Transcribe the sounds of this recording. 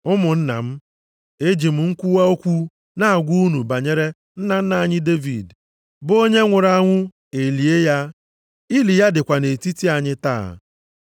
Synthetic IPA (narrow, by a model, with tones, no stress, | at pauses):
ʊ˦mʊ˨n̩˦na̰˨m̩˦ | e˦d͡ʒi˨m̩˨ŋ̩˦kʷu˦wa˦o˦kʷu˦ | na˦˨ɡʷu˦u˦nu˨ba˨ɲe˦ɾe˦ | n̩˦na˨n̩˦na˨ɲɪ˦de˦vḭ˨d | bo˦ɲe˦ŋʷʊ˨ɾa˨a˦ŋʷʊ˦ | e˨li˨e˦ja˦ | i˦li˨ja˦dɪ˨kʷa˨ne˨ti˦ti˦a˨ɲɪ˦ta̰ː˦˨